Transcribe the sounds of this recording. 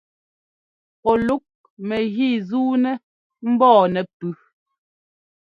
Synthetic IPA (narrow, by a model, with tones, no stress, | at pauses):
ɔ˨lu˦k̚ | mɛ˨ɣi˦˨zuː˦nɛ˦ | m̩˦bɔː˦˨nɛ˨pʉ˦